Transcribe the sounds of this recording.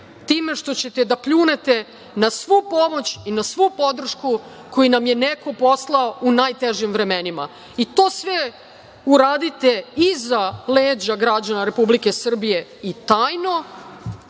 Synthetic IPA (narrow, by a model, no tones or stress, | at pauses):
t̪iːme̞ʃt̪o̞t͡ɕe̞t̪ed̪apʎuːnet̪e̞ | nasʋupo̞mo̞t͡ɕinasʋupo̞d̪r̩ʃku | ko̞jinamjeneko̞po̞slˠaoʔunaːjt̪eʒimʋɾe̞menima̰ | it̪o̞ːsʋe | uɾaːd̪it̪e̞izaleːd͡ʑaɡɾad͡ʑanaɾe̞publike̞sr̩bije̞it̪aːjno̞